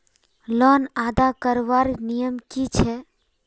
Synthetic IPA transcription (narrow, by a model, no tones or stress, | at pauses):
lɔnad̪akəɾʋaɾnijəmkit͡ʃʰɛ